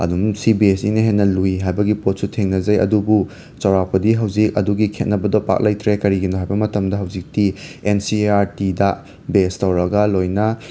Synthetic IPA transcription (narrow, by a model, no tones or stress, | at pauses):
ɐ̰dumsibiesineɦenːɐluiɦajbɐɡipot̚sutʰeŋnɐzɐjɐ̰dubu | t͡ʃɐwɾapɐdiɦɐwzik̚ɐ̰duɡikʰet̚nɐbɐdɔpa̰k̚lɐjtɾekɐɾiɡinoɦajbɐmɐtɐmdɐɦɐwzik̚tiensiaɾtidɐ | bestɐwɾɐɡɐlojnɐ